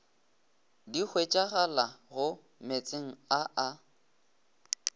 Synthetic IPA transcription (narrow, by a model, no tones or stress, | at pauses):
dik͡xʰwet͡ʃʼaɣalaɣʊ | met͡sʼeŋ̩aʔa